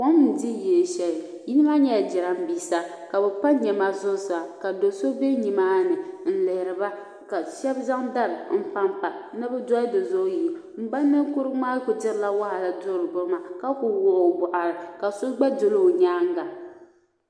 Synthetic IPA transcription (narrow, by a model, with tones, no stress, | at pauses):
ko˦mn̩˨di˦jɛ˨ʃɛ˨l | ji˦nɨ˦ma˦ɲɛ˦˨d͡ʒɪ˨ɾa˨m̩˦biː˨sa˨ka˨bɛ˨pa˦ɲɛ˨ma˦zʊ˦sa˨ka˨do˨so˦be˦ɲi˨maː˦nɨ˨n̩˨lɛ˨ɾɨ˨ba˦ | ka˨ʃɛ˦bza˦ŋda˦˨ɾm̩˦pa˦mpa˨˦nɨ˦bɛ˦dɔ˦ɪ˦do˨zo˦ji˨ | m̩˨ba˦nːɨ˦kʊ˦ɾɨ˦maː˦kʊ˨tɪ˦ɾla˦wa˦ha˨la˨dʊ˦ɾɨ˨bʊ˦ma˨ka˦kʊ˨wʊ˦ʔbʊ˨ʔa˨ɾɨ˨ka˨so˦ɡ͡ba˦dʊ˦lo˦˨ɲaː˦ŋ˦ɡa˨